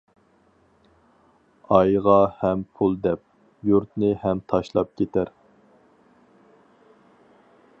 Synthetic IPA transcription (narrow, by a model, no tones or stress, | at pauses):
ɑjʁɑhɛmpʰulˠd̪ɛp̚ | juɾt̪nɨhɛmt̪ʰɑʃlˠɑp̚kʲʰet̪ʰæɾ